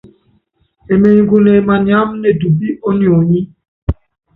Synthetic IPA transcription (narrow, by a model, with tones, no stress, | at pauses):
e˨me˨ɲ˨˦ɡu˨ne˨ma˨ɲa˦mnɛ˨du˨bi˦ʔo˦ni˨o˨ɲi˦